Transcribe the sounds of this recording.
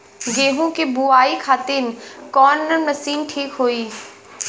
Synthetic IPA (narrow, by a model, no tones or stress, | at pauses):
ɡeːɦũkebuaːikʰaːt̪inkɔːnːɐmɐsiːnʈʰiːkɦoːiː